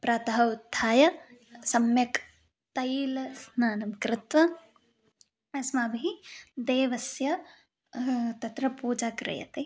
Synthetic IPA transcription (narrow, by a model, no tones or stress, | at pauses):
pɾaːt̪ɐɦɐud̪ʱːaːjɐsɐmjɐk | t̪ɐjlsnaːnɐmkɾɪt̪ʋɐ | ɐsmɐːbʱid̪eːʋɐsjɐ | t̪ɐt̪ɾɐpuːd͡ʒaːkɾɐ̰jɐ̰t̪e